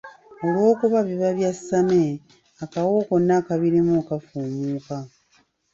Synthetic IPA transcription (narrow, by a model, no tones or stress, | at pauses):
o̞lwo̞ːkuβaβiβaβjasːame | akawo̞ːko̞nːakaβiɾimukafuːmuːka